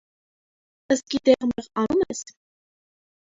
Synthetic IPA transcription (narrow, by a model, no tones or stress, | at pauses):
əst̪̚kid̪ɛʁmɛʁɑnumɛs